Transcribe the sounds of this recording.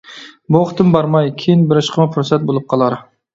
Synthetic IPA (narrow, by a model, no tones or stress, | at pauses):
boχt̪ɨmbɑɾmɑjkʲʰijinbɪɾɪʃqʰəmɨpʰʊɾsɛt̪̚bolˠɨp̚qʰɑlˠɑɾ